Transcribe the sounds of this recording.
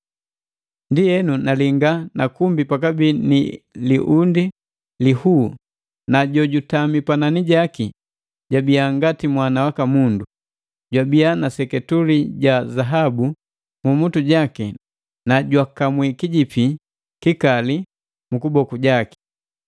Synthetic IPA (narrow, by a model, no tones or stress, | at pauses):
ndijɛnunaliŋɡanakumbipakabini | liʔundi | lihuː | naɟɔɟutamipananiɟaki | ɟabiaŋɡatimwanawakamundu | ɟwabianasɛkɛtuliɟazaɦabu | mumutuɟaki | naɟwakamwikiɟipi | kikali | mukubɔkuɟaki̥